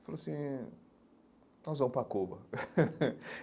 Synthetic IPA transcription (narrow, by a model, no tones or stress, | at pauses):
faloasĩ | nɔzvɐ̃w̃pɾakubɐ